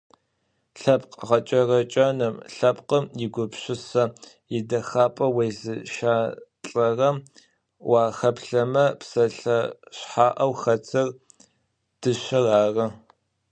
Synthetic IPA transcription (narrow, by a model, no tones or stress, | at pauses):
ɬɐpqʁɐt͡ʃʼɐrɐt͡ʃʼɐnɨmɬɐpqəmjɪɡʷʊpɕɪsɐ | jɪdɐxaːpʼɐwejzɨʃaːɬʼɐrɐm | waːxɐpɬɐmɐpsɐɬɐɕħaːʔɐwxɐt͡sʰɨr | d̥ɨɕɐraːrɐ